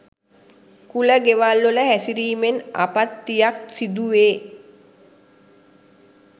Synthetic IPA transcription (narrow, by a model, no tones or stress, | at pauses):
kuləɡeʋalːoləɦæsiɾiːmena̰pat̪ːijak̚sid̪uʋeː